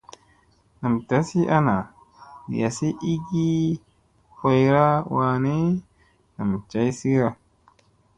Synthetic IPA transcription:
na˨mta˨˦si˦ʔa˦na˨ | ja˨si˦ʔi˦ɡi˦ | ho˨jɾa˦wa˨ne˦ | na˨mt͡ʃa˨˦jsi˦ɾa˦

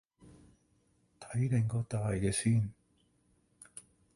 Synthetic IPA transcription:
t̪ʰɐ˨˥jt̪ɪ˨ŋkɔː˧t̪aː˨jkɛː˧siː˥n

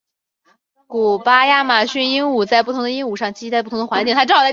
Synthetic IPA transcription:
ku˨˩pa˥ja˥˩ma˨˩ɕy˥˩ni˥nu˨˩t͡sa˥˧ɪp̬u˥˩t̪ʰʊ˧˥ŋd̪ə˧i˥nu˨˩ʂɑ˥˩ŋt͡ɕi˥˧˥a˥˧pu˥˩t̪ʰʊ˧˥ə˧wa˧˥nt͡ɕi˥˩ŋt̪ʰa˥ʈ͡ʂɑ˥˧ʊt͡sa˥˩

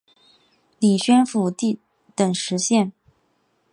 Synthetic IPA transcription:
li˨˩ɕɥɛ˥nfu˧˩t̪i˥˩ | t̪ə˨˩ŋʂɻ̩˧˥ɕjɛ˥˩n

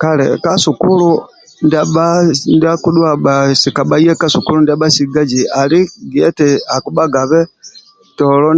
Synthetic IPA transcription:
ka˦lɛ̰ka˦su˨ku˦lu˦ | nda˦ɓa˦nda˦ku˦dwa˦ɓa˨si˨ka˨ɓa˦i˦ɛ˦ka˦suku˦lu˦nda˦ɓa˦si˨ɡa˦d͡ʒi˨a˨li˦ɡi˨ɛ˦tɛ˨a˨ku˦ɓa˦ɡa˨βɛ˦ | tɔlɔ˦

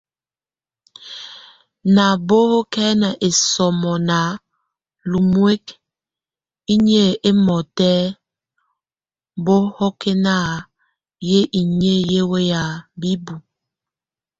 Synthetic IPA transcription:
na˨bo˦ho˦kɛ˦na˨ʔe˨sɔ˨mɔ˨na˨˦ | lu˨mwe˦k | i˦ɲ˦e˦˨ʔe˦mɔ˨tɛː˦ | bo˦hɔ˦ke˦na˦˨ | je˦ʔi˨ɲe˦je˦we˦ja˨bi˦bu˨

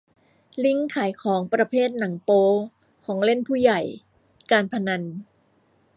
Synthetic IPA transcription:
li˥˩ŋkʰaː˩˦jkʰɔː˩˦ŋpɾa˧pʰeː˥˩t̪̚na˩˦ŋpoː˧ | kʰɔː˩˦ŋle˥˩npʰuː˥˩ja˨˩j | kaː˧npʰa˧na˧n

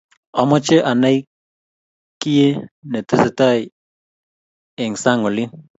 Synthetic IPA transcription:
ɔ˨˦mɔ˦t͡ʃe˦ʔa˨na˦j | ki˦je˦nɛ˨tɪ˦sɪ˨ta˦˨ | ɪ˨ŋsa˦ŋo˨li˦n

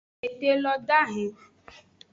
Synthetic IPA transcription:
e˨de˦lɔ˦da˦˨ɦĩ˨˦

